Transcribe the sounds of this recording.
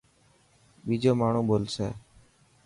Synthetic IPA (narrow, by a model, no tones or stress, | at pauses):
biːd͡ʒoːmaːɳ̃ũːboːlsḛː